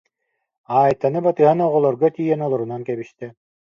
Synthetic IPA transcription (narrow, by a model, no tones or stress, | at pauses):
aːjt̪ːanɯbat̪ɯɦanɔʁɔlˠɔɾɡɔt̪iːjɛnɔlˠɔɾunankɛbiʃt̪ɛ